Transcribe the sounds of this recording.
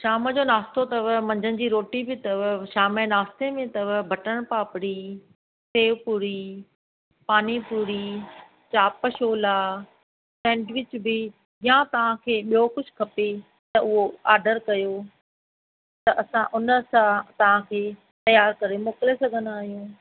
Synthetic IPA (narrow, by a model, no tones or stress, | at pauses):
ʃaːməd͡ʑoːnaːst̪ot̪ɐʋmɐ̃ɲd͡ʑənɪ̆d͡ʑiːɾoːʈibɪt̪ɐʋʃaːmenaːst̪emẽt̪ɐʋbʱɐʈəɽ̃paːpɪɽi | seːʋpuːɾi | paːnipuːɾi | t͡ɕaːpəʃoːlaː | sɛ̃ːɖʋɪt͡ɕbɪ | jãt̪ɐʋ̤ãkʰeːɓijokʊd͡ʑʰʱkʰɐpe | t̪ɐʊɦoaːɾɖəɾkɐjo | t̪ɐʔɐsãʔʊnəsãt̪ɐʋ̤ãkʰeː | t̪ɐjaːɾkɐɾemoːkɪlesɐɡʱə̃nd̪aːɦijũː